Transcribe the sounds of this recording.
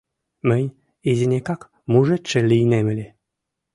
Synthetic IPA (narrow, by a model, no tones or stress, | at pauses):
mɘ̆nʲ | ezʲinʲekɑk | muʒet͡ʃːĕlʲijnemɘ̆lʲe